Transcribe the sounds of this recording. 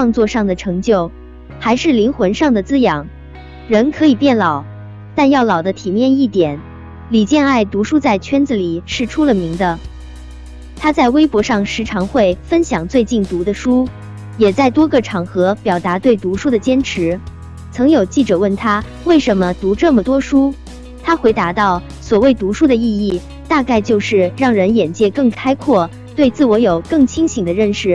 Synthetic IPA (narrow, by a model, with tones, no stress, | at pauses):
fʰwɑ˥˧ŋt͡swɔ˥˧ʂɑ˥˩ŋd̪ə˩ʈ͡ʂʰɤ˧˥ŋt͡ɕjo˥˩ʊ | xa˧˥ɪʂɻ̩˥˩li˧˥ŋxwə˧˥nʂɑ˥˩ŋd̪ə˩t͡sɹ̩˥jɑ˨˩˦ŋ | ɻə˧˥nkʰɤ˧˥i˨˩pjɛ˥˩nlɑ˨˩˦ʊ | t̪a˥˧njɑ˥˩ʊlɑ˨˩ʊd̪ə˦t̪ʰi˨˩mjɛ˥˧ni˥˩t̪jɛ˨˩˦n | li˨˩t͡ɕjɛ˥˧na˥˩ɪt̪u˧˥ʂu˥t͡sa˥˩ɪt͡ɕʰɥɛ˥nd͡z̩˨˩li˨˩ʂɻ̩˥˩ʈ͡ʂʰu˥lə˨mi˧˥ŋd̪ə˧ | t̪ʰa˥t͡sa˥˩ɪwe˥ɪpwɔ˧˥ʂɑ˥˩ŋʂɻ̩˧˥ʈ͡ʂʰɑ˧˥ŋxwe˥˩ɪfə˥nɕjɑ˨˩ŋt͡swe˥˧ɪt͡ɕi˥˩nt̪u˧˥d̪ə˧ʂu˥ | jɛ˨˩t͡sa˥˩ɪt̪wɔ˥ɡə˩ʈ͡ʂʰɑ˨˩ŋxɤ˧˥pjɑ˨˩ʊt̪a˧˥t̪we˥˩ɪt̪u˧˥ʂu˥ɾə˨t͡ɕjɛ˥nʈ͡ʂʰɻ̩˧˥ | t͡sʰɤ˧˥ŋjo˨˩ʊt͡ɕi˥˩ʈ͡ʂɤ˨˩wə˥˩nt̪ʰa˥ | we˥˩ɪʂə˧˥nmə˧t̪u˧˥ʈ͡ʂɤ˥˩mə˩t̪wɔ˥ʂu˥ | t̪ʰa˥xwe˧˥ɪt̪a˧˥t̪ɑ˥˩ʊ | swɔ˨˩we˥˩ɪt̪u˧˥ʂu˥d̪ə˧i˥˧i˥˩ | t̪a˥˧ka˥˧ɪt͡ɕjo˥˧ʊʂɻ̩˥˧ɻɑ˥˩ŋɻə˧˥njɛ˨˩nt͡ɕjɛ˥˧kɤ˥˩ŋkʰa˥ɪkʰwɔ˥˩ | t̪we˥˧ɪt͡sɹ̩˥˩wɔ˧˥jo˨˩ʊkɤ˥˩ŋt͡ɕʰi˥ŋɕi˨˩ŋd̪ə˦ɻə˥˧˩nʂɻ̩˥˩